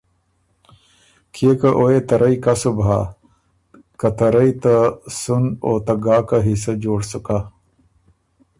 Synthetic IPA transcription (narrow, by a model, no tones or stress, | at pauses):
kʰekɐʔoet̪ɐɾʔɐikasubʱa | kɐt̪ɐɾɐit̪ɐsunoːt̪ɐɡaːkaɦisɐd͡ʑoːɽsuka